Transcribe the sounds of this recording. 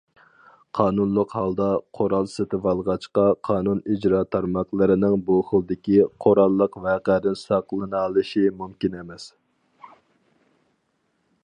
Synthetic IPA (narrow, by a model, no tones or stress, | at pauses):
qʰɑːnunlˠəqhɑlˠd̪ɑqʰoɾɑlˠsɪt̪ʰɪvɑlˠʁɑt͡ʃqɑqʰɑːnunid͡ʒɾɑːt̪ʰɑɾmɑqlˠɨɾɪnɪŋbuχəlˠd̪ɪkʲiqʰoɾɑlˠːəqvɛqæd̪ɪnsɑqlˠɨnɨɑlˠɨʃimumkʲinemɛs